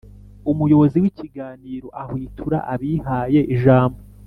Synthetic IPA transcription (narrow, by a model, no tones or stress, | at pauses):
umujo̞βo̞ziwiciɡaːniːɾo̞ʔahwiːtʰuɾa̰ʔaβihaːje̞ʔiʒaːmbo